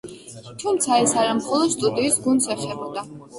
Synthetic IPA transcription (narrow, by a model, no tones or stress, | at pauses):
t̪ʰumt̪sʰaɛsaɾamχɔlˠɔd̪̥st̪ʼud̪iːsɡund̪sɛχɛbɔd̪a